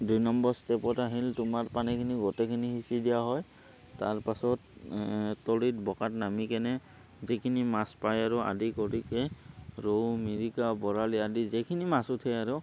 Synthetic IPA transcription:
dujnɔmbɔɹstɛpɔtaɦiltʊmaɹpanɛkʰiniɡɔtɛkʰiniɦisidijaɦɔj | taɹpasɔt | tɔlitbɔkatnamikɛnɛ | zikʰinimaspajaɹua̰dikɔɹikɛɹowmiɹikabɔɹaliadizɛkʰinimasʊtʰɛaɹu

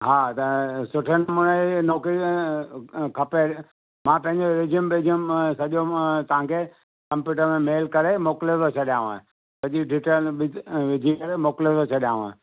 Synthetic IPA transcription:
ɦaːt̪ɐsʊʈʰənmʊnenoːkɾi | kʰɐpe | mãpɐ̃ɦɪ̃ɲd͡ʑoɾɪd͡ʑiəmbed͡ʑimsɐʄot̪ɐʋ̤ãkʰeː | kɐ̃mpjuːʈəɾmẽmeːlkɐɾemoːklet̪ʰot͡ɕʰɐɗijãːũa̰ːɪ̃ | sɐʄiɖiːʈəlɓɪʋɪd͡ʑʱikɐɾemoːklet̪ʰot͡ɕʰɐɗijãːũãː

